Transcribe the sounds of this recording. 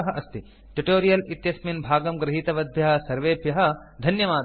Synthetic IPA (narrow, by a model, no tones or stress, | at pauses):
ɐɦɐʔɐst̪i | ʈuʈoːɾijɐlit̪jɐsminbʱaːɡɐmɡɾɐɦiːt̪ɐʋɐd̪̚bʱjɐɦɐ̆sɐɾʋeːbʱjɐɦɐ̆d̪ʱɐnjɐʋaː